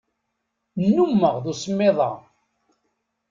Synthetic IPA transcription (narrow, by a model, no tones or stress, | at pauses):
nːumːəʁðusəmːɪðˤɑ̰